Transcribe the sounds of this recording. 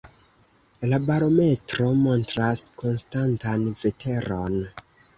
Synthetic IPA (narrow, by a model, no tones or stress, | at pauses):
labaɾo̞me̞tɾo̞mo̞ntɾasko̞nstantanve̞tʰe̞ɾo̞n